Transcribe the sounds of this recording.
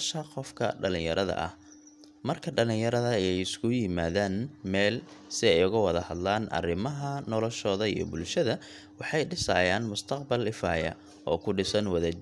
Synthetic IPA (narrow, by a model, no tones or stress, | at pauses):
ʃɐqɔfkʰɐ̰ɖɐlɪ̃jɐɾɐðɐ̰ʔɐ̰h | mɐrkʰɐɖɐlɪ̃jɐɾɐðɐɛjɛjɪskʰʊjɪmaːðaːnmɛːlsɪɛjʊɣʊwɐðɐhɐd̪laːnʔɐ̰rɪmɐɦɐnɔlɔʃɔːðɐḭjɞ̰bʊlʃɐðɐ | wɑħɑjɖɪsaːjaːnmʊst̪ʰɐqbɐlɪfa̰ːjɐ̰ | ʔɔːkʰʊɖɪsɐnwɐðɐ